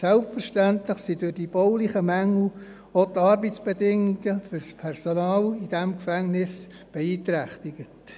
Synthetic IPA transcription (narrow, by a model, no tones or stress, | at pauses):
sɛlpfərʃtæntləχsidʊɾd̥ib̥ɔwlɪχəmæŋl̩ | ot̪ɑɾbət͡sb̥edɪŋːiɡ̥əfʏɾspʰɛrsonɑːlid̥ɛmkfæŋnɪs | b̥eiːtɾæχtɪɡ̥ət